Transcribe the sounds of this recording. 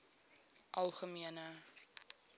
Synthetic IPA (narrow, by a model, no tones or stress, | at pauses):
ʔɐlˠχəmiənə